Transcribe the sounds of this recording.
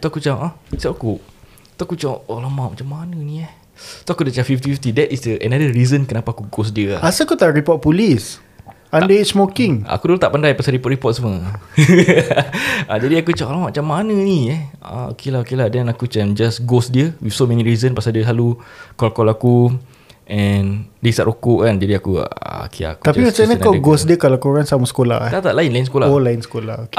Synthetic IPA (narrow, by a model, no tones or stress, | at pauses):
t̪uakut͡ʃamasapaku | t̪uakut͡ʃaʔolamãʔmat͡ʃamːanə̃nĩɛh | t̪oakudət͡ʃafift̪ifift̪idɛtisdəʔɛnadəɹizənkənapaːkuɡos̬diəaasaakut̪aɾipɔt̚pulis | ãndəit̚smokɪŋa̰kudulat̪aʔpandajpasaɾipɔt̚ɾipɔt̪̚səmə | ad͡ʒadiakut͡ʃaklamat͡ʃamːanə̃niɛa̰o̰kelaɦokeladɛnakut͡ʃand͡ʒasɡosdiəwifsomɛniɹizənpasaldiəsalukɔlakɔlaku | ʔɛndiisaʔɾʔokoʔkand͡ʒadiakṵa̰kea̰kut̪at͡ʃaiəsaɲãkaɡosdiəkalakoɾaŋsamasə̥kola̰ht̪at̪aʔlaɪnlajinsə̥kolaolaɪnsəkola̰hok